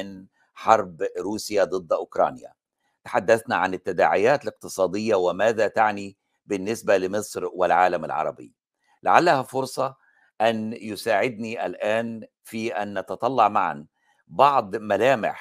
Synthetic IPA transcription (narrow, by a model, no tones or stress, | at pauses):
ɪn | ħɑɾˤbɾuːsɪjad̪ˤɨd̪ˤːʔʊkɾˤɑ̰ːnja̰ | t̪ḁħad̪ːaθnaʕanɪt̪ːad̪a̰ːʕɪjaːt̪alɪq̚t̪ɨsˤɑːd̪ɪjːawɪmaːðat̪aʕni | bɪnːɪsbalɪmɪsˤɾwɪlʕaːlama̰lʕɑ̰ɾˤɑ̰bɪ̰ː | la̰ʕalːahafʊɾsˤɑ | ʔanjʊsaːʕɪd̪niʔalʔaːn | fiːʔanʔɑt̪ɑt̪ˤɑlːɑʕmaʕa̰n | bɑʕd̪ˤmalaːmɪ̰ħ